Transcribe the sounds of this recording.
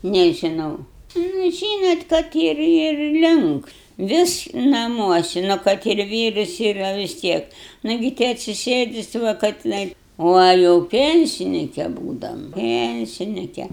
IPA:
nʲeːʒʲɪˈnɐʊ nʊ ˈʒʲiːnoːt kɐt ˈɪr ɪr ɪr ˈlʲɪŋks ˈʋʲɪs nɐˈmuɔsʲɪ nʊ ˈkɐt ɪr ˈʋʲiːrʊs iːˈrɐ ʋʲɪs ˈtʲiɛk ˈnɑːɡʲɪ tʲɪ ɐtʲsʲɪˈsʲeːdʲɪ ˈsʊ ʋɐ kɐ tʲɪˈnɐɪ ˈʋɐ jɛʊ ˈpʲɛnʲsʲɪnʲɪkʲɛ ˈbuːdɐm ˈpʲɛnʲsʲɪnʲɪkʲɛ

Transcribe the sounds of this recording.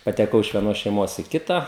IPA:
pɐtʲɛˈkɐʊ ɪʃ ʋʲiɛˈnoːs ʃʲɛɪˈmoːs iː ˈkʲɪtɐ

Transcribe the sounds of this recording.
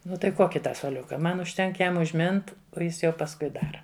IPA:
ˈnʊ ˈtɐɪ ˈkoːkʲɪ ˈtɑː suɔˈlʲʊkɐ ˈmɐn ʊʃʲˈtʲɛŋk ˈjɛm ʊʒʲˈmʲɪnt oː ˈjɪs jɛʊ pɐsˈkʊɪ ˈdɑːrɐ

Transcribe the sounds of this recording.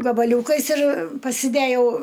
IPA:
ɡɐbɐˈlʲuːkɐɪs ɪr pɐsʲɪˈdʲæːjɛʊ

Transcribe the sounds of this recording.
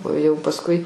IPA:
oː jɛʊ pɐsˈkʊɪ

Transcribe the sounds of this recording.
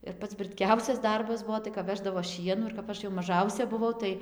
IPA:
ɪr ˈpɐts brɨtʲˈkʲɛʊsʲɛs ˈdɐrbɐs ˈbuɔ tɐɪ kɐp ˈʋʲæːʒdɐʋoː ˈʃʲiɛnuː ɪr kɐp ˈɐʃ jɛʊ mɐˈʒɐʊsʲɛ bʊˈʋɐʊ ˈtɐɪ

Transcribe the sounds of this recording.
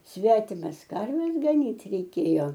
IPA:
ˈsʲʋʲæːtʲɪmɐs ˈkɐrʲʋʲɛs ɡɐˈnʲiːt rʲɛɪˈkʲeːjoː

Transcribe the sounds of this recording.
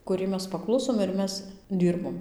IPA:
kʊˈrʲɛɪ ˈmʲɛs pɐˈklˠʊsoːm ɪr ˈmʲɛs ˈdʲiːrboːm

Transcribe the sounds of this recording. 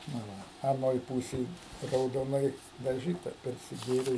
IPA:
nɐ ˈʋɐ ɐˈnoːj ˈpuːsʲeːj rɐʊdoːˈnɐɪ dɐˈʒʲiːtɐ pʲɛrʲsʲɪˈɡʲeːrʲeː

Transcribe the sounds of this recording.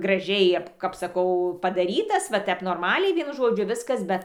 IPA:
ɡrɐˈʒʲɛɪ ɐp kɐp sɐˈkɐʊ pɐdɐˈrʲiːtɐs ʋɐ ˈtʲɛp noːrˈmɑːlʲɛɪ ˈʋʲiɛnʊ ˈʒoːd͡ʒʲʊ ˈʋʲɪskɐs ˈbʲɛt

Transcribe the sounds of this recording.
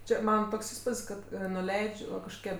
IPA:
ˈt͡ʃʲɛ ˈmɑːnɐ ˈtoːks ˈiːspʊtʲsʲ ˈkɐt nʊˈlʲɛɪt͡ʃʲ ʋɐ kɐʃkoːˈkʲiɛ

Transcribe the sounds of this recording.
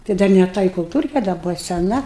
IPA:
tɐɪ ˈdɐr nʲɛ ˈtɐ ɪ kʊlˠˈtuːrʲkʲɛ dɐ ˈbʊʋɐ sʲɛˈnɐ

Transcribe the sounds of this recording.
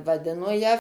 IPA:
ʋɐˈdʲɪnoː jæː

